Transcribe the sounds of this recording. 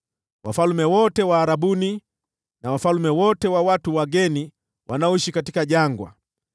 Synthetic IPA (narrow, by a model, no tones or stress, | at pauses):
wafalmɛwɔtɛwaːɾaɓuni | nawafalumɛwɔtɛwawatuwaɡɛni | wʔanaɔiʃikatikaʄaŋɡwa̰